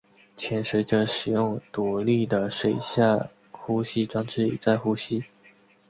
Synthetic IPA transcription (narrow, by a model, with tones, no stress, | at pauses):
t͡ɕʰjɛ˧˥nʂ̩˧˥ʈ͡ʂə˥˧˥ʂɻ̩˨˩jʊ˥˩ŋt̪u˨˧li˥˩d̪ə˩ʂwe˨˩ɪɕja˥˩ | xu˥ɕi˥ʈ͡ʂwɑ˥ŋʈ͡ʂɻ̩˥˩ḭ˨˩t͡sa˥˧ɪxu˥ɕi˥